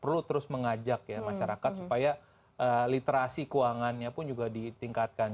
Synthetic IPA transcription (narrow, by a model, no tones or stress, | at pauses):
pərlut̪əɾʊsməŋad͡ʒak̚jamaʃaɾakat̪̚supaja | ʔəlit̪eɾasikuaŋanɲapʊnd͡ʒuɡadit̪iŋkat̪̚kan